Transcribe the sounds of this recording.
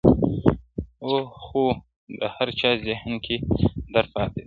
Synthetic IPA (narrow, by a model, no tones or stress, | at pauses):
oːxoː | d̪əhɐɾt͡ʃaːzɪhnkʰid̪ɐɾfaːt̪e